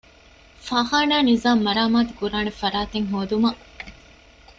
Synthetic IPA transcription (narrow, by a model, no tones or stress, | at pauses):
faːɦaːnaːnizaːmːɐɾaːmaːt̪u̥kuɾaːnefɐɾaːt̪eŋɦoːd̪umɐ